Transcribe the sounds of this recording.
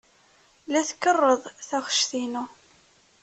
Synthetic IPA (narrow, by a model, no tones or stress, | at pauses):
læθkːərˤːəðˤθæχə̥ʃθinu